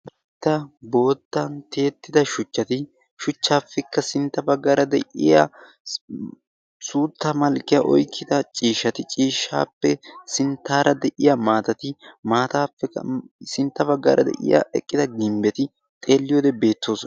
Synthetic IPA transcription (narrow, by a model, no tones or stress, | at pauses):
t̪ːɐbo̞ːt̪ːɐnt̪e̞ːt̪ːɪd̪ɐʃʊt͡ʃːɐt̪ɪ | ʃʊt͡ʃːaːfːɛkːɐsɪnt̪ːɐbɐɡːaːɾɐd̪ɛ̰ʔɪ̰jɐ̰ | suːt̪ːɐmɐlkʼːɪjɐʔɔ̰jkʰːɪd̪ɐt͡ʃʼiːʃːɐt̪ɪt͡ʃʼiːʃːa̰ːpːɛsɪnt̪ːaːɾʔɐd̪ɛʔɪjɐmaːt̪ɐt̪ɪmaːt̪aːfːɛɐ̰sɪnt̪ːɐbɐɡːa̰ːɾʔɐd̪ɛ̰ʔɪ̰jɐ̰ɛkʼːɪd̪ɐɡɪmbɛt̪ɪ | t̪ʼe̞ːlːɪjoːd̪ɛbe̞ːt̪ʰːo̞ːsɔ